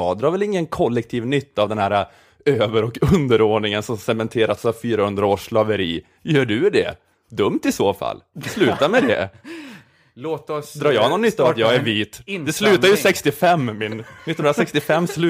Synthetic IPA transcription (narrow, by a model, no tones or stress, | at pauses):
ɑːd̪ɾɑːɾvɛlɪŋːənkʰɔlːɛk̚t̪ʰiːvnʏt̪ːaːvd̪ɛnhæːɾa | øːvəɾɔkɵnd̪əɾoːɖɳɪŋənsɔmsɛmɛnt̪ʰeːɾat̪safyːɾahɵnd̪ɾaoːʂlɑvəɾiː | jœːɖɵɖɛ̰ | d̪ɵmt̪ɪsoːfa̰lːslʉ̟ːt̪amɛd̪ɛ̰ | loːt̪ɔsd̪ɾɑːjɑːnɔnːʏt̪ːaːvat̪jɑːɡæɾviːt̪d̪ɛslʉ̟ːt̪aɾjəsɛkst̪ɪfɛmːmɪnnɪt̪ːnnɾasɛkst̪ɪfɛmːslʉ